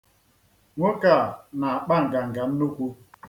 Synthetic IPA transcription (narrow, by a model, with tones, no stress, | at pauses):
ŋo˦ka˨na˨ɓa˦˨ŋ̩˨ɡa˨ŋ̩˨ɡa˨˦m˦no˦ku˦